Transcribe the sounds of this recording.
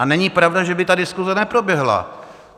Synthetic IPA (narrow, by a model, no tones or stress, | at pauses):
anɛɲipɾavdaʒɛbɪt̪adɪskuzɛnɛpɾo̞bjɛɦla̰